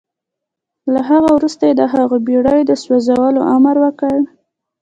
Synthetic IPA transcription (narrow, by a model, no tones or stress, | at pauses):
laɦaɣawɾust̪ajed̪əɦaɣobiɽəjd̪əswazawəloʔamaɾwəkəɽ